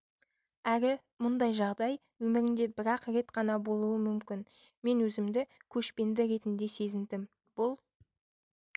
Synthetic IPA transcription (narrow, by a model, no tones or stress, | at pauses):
æɾɪ | mʊnd̪ɑjʒɑʁd̪ɑj | wɵmɪɾɪnd̪e̞bɪɾɑqɾe̞t̪qɑnɑbo̞lˠuəmʏmkʲɪn | me̞nwɵzɪmd̪ɪkʲʰɵʃpe̞nd̪ɪɾe̞t̪ɪnd̪e̞se̞zɪnd̪ɪm | b̥ʊlˠ